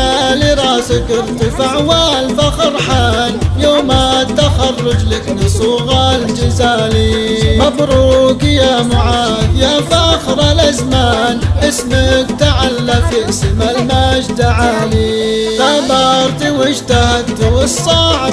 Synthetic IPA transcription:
aliɾˤɑːsɪkɪɾt̪ifaʕwaːlfaxɑɾˤħaːnjoːmat̪ːaxɑrˤːʊd͡ʒlaknɪsˤʊɣaːld͡ʒɪzaːlimabɾuːkjamʊʕaːd̪jafaxɾˤɑlʔazmaːnʔɪsmakt̪aʕalːafɪʔsɪmalmad͡ʒd̪aʕaːlit̪abɑɾˤt̪iwɪd͡ʒt̪ahat̪ːɪsˤːɑːʕ

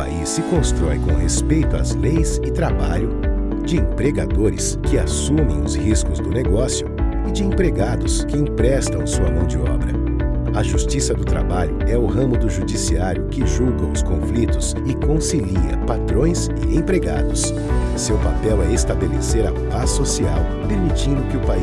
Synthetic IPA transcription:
pa̰isːɪkõst̪ɾɔjkõɦespejt̪ʊa̰zlejzɪt̪ɾaba̰ʎʊ | d͡ʒɪẽpɾeɡad̪oɾɪ̰skɪasũmẽj̃ʊzhiskʊzd̪ʊneɡɔsjʊ | ɪd͡ʒɪẽpɾeɡad̪ʊskɪẽpɾɛst̪ɐ̃w̃ʊsuɐmɐ̃w̃d͡ʒɪɔ̰bɾɐ̰ | ɐʒust͡ʃisɐd̪ʊt̪ɾa̰baʎʊɛʊɦɐ̃mʊd̪ʊʒud͡ʒisiaɾjʊkɪʒuɡɐ̃ʊskõflit̪ʊs | ɪkõsiliɐ̰pat̪ɾõj̃s | ɪ̰ẽpɾeɡa̰d̪ʊs | sewpapɛwɛest̪abelḛseɾɐ̰pasːosiaw | peɾmit͡ʃĩnd̪ʊkɪʊpai

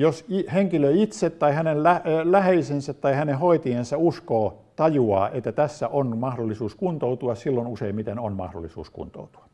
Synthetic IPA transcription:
josiheŋkiløiit̪set̪tɑihænellælæheisensæt̪t̪ːɑihænehoit̪iensæuskoː | t̪ɑjuɑ̰ːʔet̪ːæt̪æsːæʔonmɑhdolːˑisuːskunt̪out̪uɑssilːonuseimmit̪enonmɑ̰hdo̰lːˑisṵːskṵnt̪o̰ut̪u̥ɑ̥

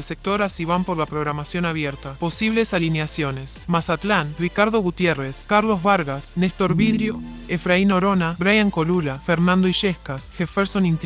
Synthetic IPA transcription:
lsek̚t̪o̞ɾasiβampo̞ɾlapɾoɣɾamasjo̞naβjeɾt̪apo̞siβ̞le̞salineasjo̞ne̞smasat̪lanrikaɾð̞o̞ɣut̪jere̞skaɾlozβaɾɣasnest̪o̞ɾβiðɾjoefɾaino̞ɾo̞nabɾajaŋko̞lulafeɾnãnd̪oiʃehkasxefeɾsonĩnt̪

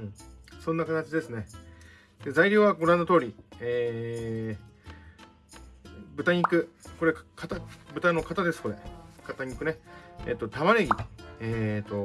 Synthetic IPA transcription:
ɯ̃sõ̞nːakat̪at͡ɕid̪e̞sɨne̞ | d̪̥e̞zaiɾʲo̞ːβaɡo̞ɾãnːot̪o̞ːɾʲieː | bɯ̟t̪aɲ̟ikɯ̟ko̞ɾe̞kʰat̪abɯ̟t̪ano̞kat̪ad̪e̞sɨ̥ko̞ɾe̞kat̪aɲ̟ikːɯ̟ne̞ḛːt̪ːo̞t̪aβaɾeɡʲieːt̪ːo̞

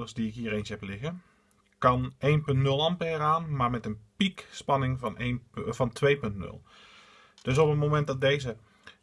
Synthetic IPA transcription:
əsdiɪkɦiːərejnshɛplɪɣə | kɑnejnpɵntnɵlˠɑmpəɛːraːnmaːɹmɛtənpikspɑnɪŋnfɑntʰʋejpɵntnɵ̰lˠ | d̥øs̬ɔpənmowmɛnt̚dɑt̚dejzə

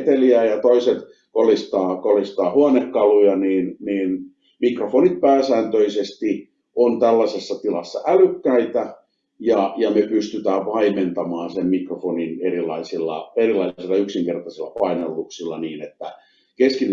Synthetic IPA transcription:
t̪eliæːjɑt̪oiset̪ | kolist̪ɑːkolist̪ɑːhuɑnekːɑlujɑniːnniːn | mikrofonit̪̚pæːsæːnt̪øisest̪i | ʔont̪ælːæsesːɑt̪ilɑsːɑ̰ʔælykːæit̪æ | jɑjɑmepyst̪yt̪æːʋʋɑiment̪ɑmɑːnsemmikrofoninerilɑisilːɑ̰erilɑisilːɑyksiŋkert̪ɑsilːɑpɑinelːuksilːɑniːnet̪ːæ | keskin

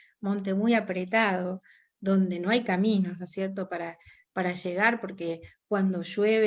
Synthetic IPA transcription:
mõ̞nt̪emujapɾet̪aðo̞ | ðo̞nd̪e̞no̞ajkamĩno̞nosjeɾt̪o̞paɾa | paɾaʒeɣaɾpo̞ɾkekwand̪o̞ʒweβe

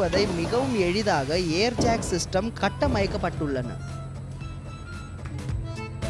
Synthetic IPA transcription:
ɐðɐɪmɪɣɐʋɯmɛɻɪðaːɣɐeːɾt͡ʃaːksɪsʈɐmkɐʈːɐmɐjɐkːɐpːɐʈːɯɭːɐnɐ̰

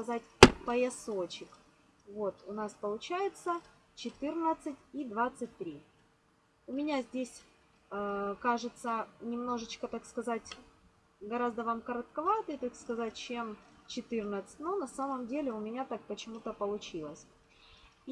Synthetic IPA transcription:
skɐzatʲpəjɪsot͡ɕɪk | vo̞t̪ʊnaspəlˠʊt͡ɕæjɪt̪sə | t͡ɕɪt̪ɨrnət̪sɨtʲid̪vat̪sɨt̚ʲt̪ːɾʲi | ʊmʲɪnʲazʲdʲesʲ | kaʐɨt̪sənʲɪmno̞ʐɨt͡ɕkət̪akskɐzatʲ | ɡɐɾazd̪əvamkəɾət̪kɐvat̪ɨjt̪okskɐzat̚ʲt͡ɕemt͡ɕɪt̪ɨrnət̪sɨ̥tʲnonɐsaməmdʲelʲɪʊmʲɪnʲat̪ak̚pət͡ɕɪmut̪əpəlˠʊt͡ɕilˠəsʲ

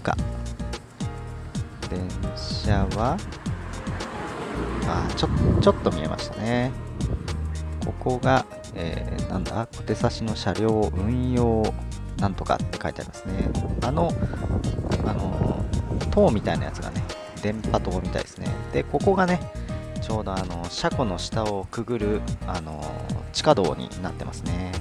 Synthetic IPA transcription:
ka̰ | d̪ẽ̞ɰ̃ɕaβa | aːt͡ɕot͡ɕo̞t̪ːo̞mʲie̞̰mʔa̰ɕi̥t̪ane̞ | kʰo̞ko̞ɡa | ḛːnã̰nd̪a̰ko̥t̪e̞saɕino̞ɕaɾʲo̞ːʔɯ̟̃joːnãnt̪o̞ka̰t̪ːe̞̥ka̰it̪ea̰ɾʲimasɨne̞ano̞ | ano̞̰ | t̪o̞ːmʲit̪aina̰jat͡sɨɡa̰ne̞ | d̪ẽ̞mpat̪o̞ːmʲit̪a̰ḭd̪̥esɨne̞̰d̪̥e̞ko̞ko̞ɡane̞t͡ɕo̞ːd̪o̞ano̞ɕakono̞ɕi̥t̪ao̞kɯ̟ɡɯ̟ɾɯ̟ano̞̰t͡ɕi̥kad̪o̞̰ːɲ̟ḭnat̪ːe̞masɨne̞

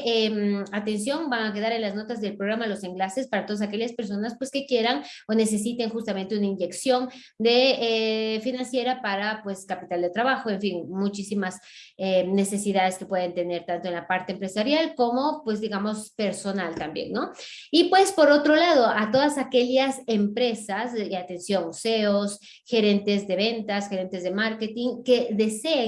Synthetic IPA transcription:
emat̪e̞nsjo̞ŋbaŋake̞ð̞aɾenlazno̞t̪azðe̞lpɾo̞ɣ̞ɾamalo̞se̞ŋɡlase̞spaɾat̪oas̬ake̞ʎaspe̞ɾso̞naspwe̞ske̞kje̞ɾano̞ne̞se̞sit̪e̞ŋxust̪ame̞nt̪e̞unaiɲd͡ʒe̞ksjo̞n | d̪e̞efinãnsje̞ɾapaɾapwe̞skapit̪ald̪e̞t̪ɾaβaxo̞e̞ɱfiŋmut͡ʃisimas | ene̞se̞siðaðe̞ske̞pwe̞ð̞ent̪e̞ne̞ɾt̪ant̪oenlapaɾt̪eːmpɾe̞saɾjalko̞mo̞pwe̞zðiɣamo̞spe̞ɾso̞nalt̪ambjḛnːo̞ | ipwe̞spo̞ɾo̞t̪ɾo̞laðo̞ʔat̪o̞ðasake̞ʎase̞mpɾe̞sasat̪e̞nsjo̞ŋse̞os | xe̞ɾe̞nt̪e̞zðe̞βe̞nt̪asxe̞ɾe̞nt̪e̞zðemaɾket̪iŋke̞ðe̞se̞ː

